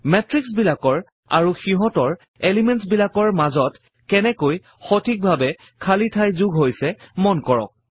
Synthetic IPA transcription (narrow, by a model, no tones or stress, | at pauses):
mɛtɹiksbilakɔɹ | a̰ɹuxiɦɔtɔɹ | elimɛntsbilakɔɹmazɔt | kɛnɛkoj | xotʰik̚bʱabɛ | kʰalitʰajzuɡʱɦojsɛmɔnkɔɹɔ̰k̚